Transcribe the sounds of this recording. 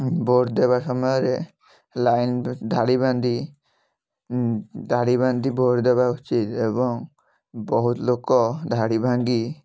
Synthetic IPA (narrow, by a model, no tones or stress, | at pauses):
boɽd̪eβasɔmɔjɔɾe | lajnd̪ʱaɽiband̪ʱi | d̪ʱaɽiband̪ʱiboɾd̪ebaut͡ʃit̪ebɔŋ | bɔɦut̪lokɔd̪ʱaɽibʱaŋɡi